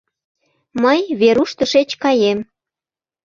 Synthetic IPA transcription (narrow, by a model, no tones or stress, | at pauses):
məjβeɾuʃt̪əʃet͡ɕkɑjem